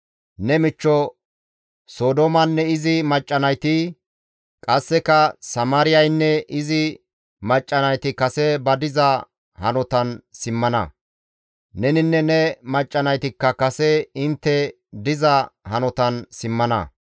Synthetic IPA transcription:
nɛmɪt͡ʃːɔ | soːd̪omɐnːɛɪzɪmɐt͡ʃʼːɐnɐjt̪ɪ | kʼɐsːɛkɐsɐmaːɾɪjɐjnːɛʔɪzɪ | mɐt͡ʃʼːɐnɐjt̪ɪkɐsɛbɐd̪ɪzɐ | hɐ̰nɔt̪ɐnsɪmːɐnɐ̰ | nɛnɪnːɛnɛmɐt͡ʃʼːɐnɐjt̪ɪkːɐkɐsɛɪnt̪ːɛ | d̪ɪzɐhɐnɔt̪ɐnsɪmːɐnɐ̰

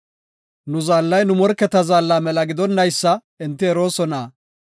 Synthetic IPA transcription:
nʊzaːlːɐjnʊmɔɾkːɛt̪ɐzaːlːaːmɛlɐɡɪd̪ɔnːɐjsːɐ | ɪnt̪ːɪɛɾo̞ːsɔnaː

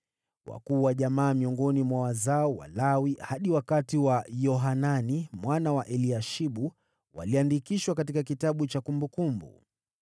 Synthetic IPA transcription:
wa̰kuːwaʄamaːmiɔŋɡɔnimwawazaɔwa̰lawihaɗiwakatiwajɔɦananimwanawaʔɛliaʃiɓu | wa̰liandikiʃwakatikak̬itaɓut͡ʃakumbukumbṵ

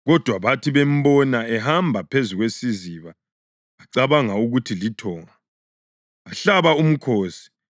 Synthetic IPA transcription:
ɣɔd̥ʱwaβatʰiβem̩bɔnaɛɦambʱapʰezuɣwesiziβaː | ǀaβaŋauɣutʰilitʰɔːŋaː | ɬaβaum̩kʰoːsi̥

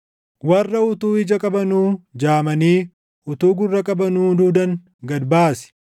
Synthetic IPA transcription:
wɐrːɐʊt̪uːɪd͡ʒɐkʼɐbɐnuːd͡ʒaːmɐniː | ʊt̪uːɡʊrːɐkʼɐbɐnuːd̪uːd̪ɐŋ | ɡɐd̪baːsɪ̥

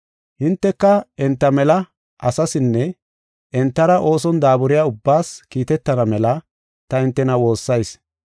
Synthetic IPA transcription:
hɪnt̪ːɛkːɐɛnt̪ːɐmɛlɐ | ʔɐsɐsɪnːɛ | ʔɛnt̪ːɐɾɐʔo̞ːsɔnd̪aːbʊɾɪjaːʊbːaːskiːt̪ɛt̪ːɐnɐmɛlɐ | t̪ɐɪnt̪ːɛnɐwo̞ːsːɐjs

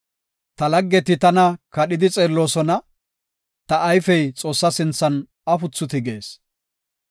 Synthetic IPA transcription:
t̪ɐlɐɡːɛt̪ɪt̪ɐnɐkɐɗɪd̪ɪt͡sʼeːlːo̞ːsɔnɐ | t̪ɐʔːjfɛjt͡sʼo̞ːsːɐsɪnt͡sːɐn | ɐfʊt͡sːʊt̪ɪɡe̞ːs

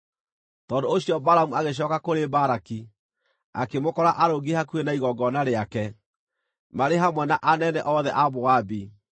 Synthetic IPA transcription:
tɔːndoːɕiɔbaɾamuaɣeɕ̬ɔːkakoɾebaɾaki | a̰kemokɔɾaʔaɾoɡehakuenaiɣɔɡɔnaɾeakɛ | maɾeɦamwɛnaʔanɛnɛʔɔðɛʔaβoabi

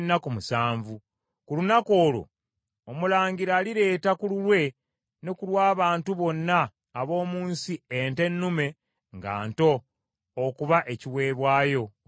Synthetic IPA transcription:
nːakumusaːɱvu | kulunako̞ːlo̞̰ː | mulaːɲɟiɾaːliɾe̞ːtakululwe̞ | nekulwaːβaːntuβo̞nːaː | βo̞ːmuːnsiente̞nːume̞ | ŋɡa̰ːnto̞ː | kuβaʔe̞ciwe̞ːβwaːjo̞

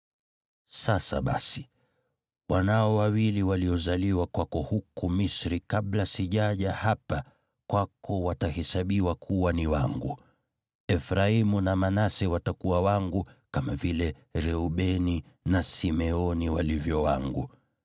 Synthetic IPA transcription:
sasa̰ɓa̰si̥ | wʔanaɔwawiliwaliɔzaliwakwakɔhukumisɾikaɓlasiʄaʄahapa | kwakʰɔwatahɛsaɓiwakʰuwaniwaŋɡu | ɛfɾaimunamanasɛwatakuwawaŋɡukamavilɛ | ɾɛuɓɛni | nasimɛɔniwalivjɔwaŋɡu

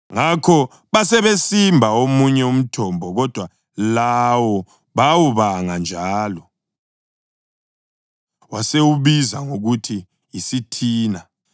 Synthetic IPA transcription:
ŋakʰɔ | βasɛβesimbʱaomuɲɛum̩tʰɔmbʱɔɣɔd̥ʱwa | lawɔ | βawuβaŋand͡ʒʱaːlɔ | wasewuβizaŋoɣutʰiː | sitʰiːna

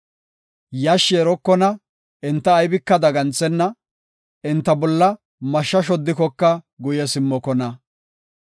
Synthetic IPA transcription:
jɐʃːɛːɾɔkːɔnɐ | ɪnt̪ːɐːjbɪkːɐd̪ɐɡɐnt͡sːɛnːɐ | ɪnt̪ːɐbɔlːɐ | mɐʃːɐʃ̬ɔd̪ːɪkɔkːɐɡʊjɛsɪmːɔkɔnɐ

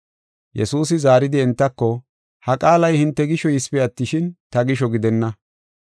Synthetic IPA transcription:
jɛ̰suːs̬ɪzaːɾɪd̪ɪɛnt̪ːɐkːɔ | hɐkʼaːlɐjhɪnt̪ːɛɡɪʃɔjɪspɪɐt̪ːɪʃɪnt̪ɐɡɪʃ̬ɔɡɪd̪ɛnːɐ

